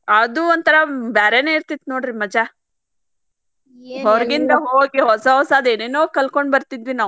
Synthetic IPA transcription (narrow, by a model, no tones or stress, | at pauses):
ɐd̪uoɔnt̪ɐɾɐbaːɾeneːiɾt̪id̪noːɽɾimɐd͡ʒɐ | ɦɔɾɐɡind̪ɐɦoːɡiɦɔsɐɦɔsɐːd̪eːneːnoːkɐlko̞ɳɖbɐɾt̪id̪ʋinaː